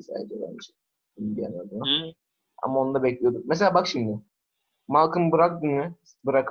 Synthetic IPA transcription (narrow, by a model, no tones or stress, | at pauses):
sa̰ːdd͡ʒeb̪æ̰nmiʃi | inbija̰nad̪ɯna | a̰mao̞nd̪abɛclʲijo̞d̪uk̚mɛs̬elʲaːbakʃimd̪ɪ | malˠkʰɯmbɯɾak̚d̪ɯnmɯ | bɯɾakʰɯ